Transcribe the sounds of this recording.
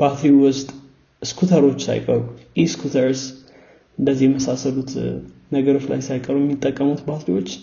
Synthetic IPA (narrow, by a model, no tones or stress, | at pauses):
b̥at̪ʰɾiwʊst̪ʼ | skʰut̪ʰəɾo̞t͡ʃːsa̰jkʼəɾujiskʰut̪ʰəɾs | ɨnd̪əzːijɛməsasəlut̪ | nəɡəɾo̞t͡ʃla̰jsajkʼəɾujɛmːit̪ʼːəkʼːəmut̪bat̪ɾiwo̞t͡ʃː